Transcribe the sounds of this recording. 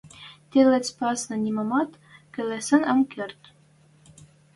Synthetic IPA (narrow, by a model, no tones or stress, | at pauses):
t̪ʲelɘ̆t͡spɑsnɤ̆nʲimɑmɑt̪ | kɘ̆lɘ̆sɘ̆nɤ̆mkɘ̆rt̪